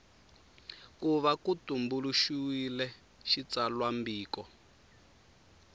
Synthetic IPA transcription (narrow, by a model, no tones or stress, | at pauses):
kuβakutumbuluʃuwilɛ | ʃit͡salwambiːkɔ